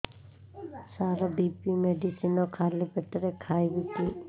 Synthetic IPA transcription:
saɾabipimeɖisinɔkʰalipeʈɾekʰajbit̪i

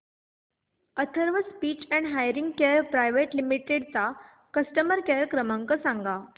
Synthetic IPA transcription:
ət̪ʰəɾʋəspiːt͡ɕɛ̃ɳɖɦajɾĩŋɡkeɾpɾajʋeʈlimiʈeɖt͡sa | kəsʈəməɾkeɾkɾəmãŋkəsãŋɡa

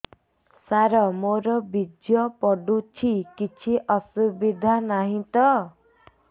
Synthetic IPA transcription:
saɾɔmoɾɔbid͡ʒjɔpɔɖut͡ʃʰikit͡ʃʰiʔɔsubid̪ʱanaɦĩt̪ɔ

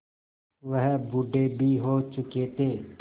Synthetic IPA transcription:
ʋəɦbuɖʱeːbʱiːɦoːt͡ʃʊkeːt̪eː

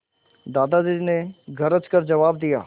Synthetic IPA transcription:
d̪aːd̪ad͡ʒid͡ʒneɡʱɐɾət͡ʃkɐɾd͡ʒɐʋaːb̚d̪ija̰ː

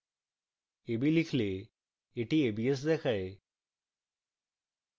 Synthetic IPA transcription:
ebilikʰle | eʈʰiebies̬d̪ɛkʰae

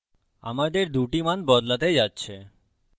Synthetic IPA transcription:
a̰mad̪eɾd̪uʈimanbɔd̪lat̪ed͡ʑatːɕʰe

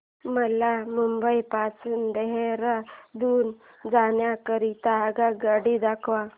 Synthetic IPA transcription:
məlamumbəipasuːnd̪eɦeɾad̪uːn | d͡zanjakəɾit̪aːɡaɡaɽid̪akʰʋa

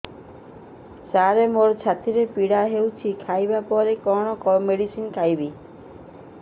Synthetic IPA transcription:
saɾemoɾt͡ʃʰat̪iɾepiɽaɦewt͡ʃʰikʰajbapɔɾekɔɽ̃ɔkɔmeɽisinkʰajbi

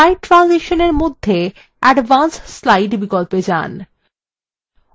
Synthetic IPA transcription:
ajɖ̚ʈːɾanziʃoneɾmod̪ʱːe | ɛɖbansːlajɖbikolped͡ʑa̰n

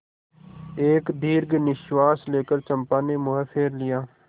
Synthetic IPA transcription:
eːkd̪iːɾɡnɪʃwaːsleːkəɾt͡ʃəmpãːneːmʊɦəsɪɾlɪjaː

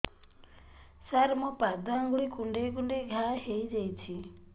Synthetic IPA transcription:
saɾmɔpad̪aŋɡuɭikuɳɖekuɳɖeɡʱaɦejd͡ʒejt͡ʃʰi

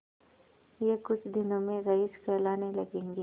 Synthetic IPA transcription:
jekʊt͡ʃʰd̪ɪnõmẽɣɐɪskɐɾlaːnelɐɡẽːŋɡe

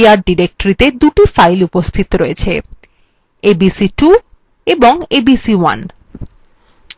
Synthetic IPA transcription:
aɾɖiɾek̚ʈoɾit̪ed̪uʈifajlupost̪ʰit̪oɾoet͡ɕʰe | ebisiʈu | eboŋebisiwa̰n

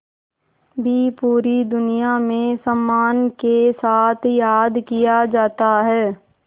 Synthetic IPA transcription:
bʱipuːɾid̪ʊnijamẽsəmːaːnkesaːt̪ʰjaːd̪kijad͡ʒaːt̪aɦɛː

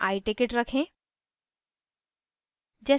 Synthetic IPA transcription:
aːiʈɪkeʈɾɐkʰẽ | d͡ʑɛː

